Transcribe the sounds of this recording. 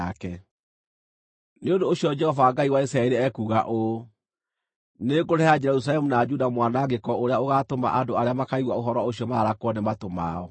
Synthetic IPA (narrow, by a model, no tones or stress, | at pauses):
akɛ | neondoːɕjɔd͡ʒɛhɔvaɡaiwaisɾaɛɾeɛkuːɣaʔo | neɡoɾɛad͡ʒɛɾus̬alɛmunad͡ʒudamwanaɡekɔoɾeaoɣatoma̰ʔandoaɾeamakaiɣwaoɦɔɾwaoɕiɔmaɾakwɔnematoma̰ɔ